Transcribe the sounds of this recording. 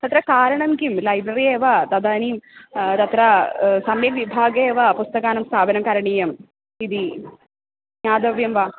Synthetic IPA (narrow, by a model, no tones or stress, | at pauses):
t̪ɐt̪ɾɐkaːɾɐɳɐmkimlɐjbɾɐɾieːʋɐt̪ɐd̪aːnimt̪ɐt̪ɾɐsɐmjɐmʋibʱaːɡɐeːʋɐpust̪ɐkaːnɐmst̪ʰaːbʱɐnɐmkɐɾɐɳijɐm | id̪i | ɲaːd̪ɐʋjɐmʋɐ